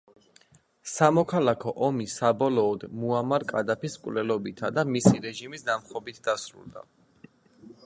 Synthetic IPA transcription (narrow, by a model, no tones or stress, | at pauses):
samɔkʰalakʰɔʔɔmisabɔlɔːd̪muamaɾkʼad̪apiskʼvlɛlɔbit̪ʰad̪amisiɾɛʒimisd̪amχɔbit̪ʰd̪asɾṵlˠd̪a̰